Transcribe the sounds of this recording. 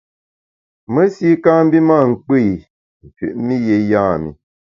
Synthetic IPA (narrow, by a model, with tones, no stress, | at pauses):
mə˦si˦ka˦m̩˦bi˦ma˦˨ŋ̩˨k͡pi˦˨j | m̩˨fɥʉ̰˨ʔmi˦je˨jãː˦˨mḭ˨